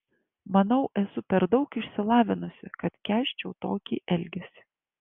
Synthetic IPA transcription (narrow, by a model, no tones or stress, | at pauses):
mɐnɐʊʔɛsʊpʲɛɾd̪ɐʊkɪʃʲsʲɪlˠɑːʋʲɪnʊsʲɪkɐt̪kʲæːʃʲt͡ʃʲɛʊt̪oːkʲiːʔɛlʲɡʲɛsʲɪ̥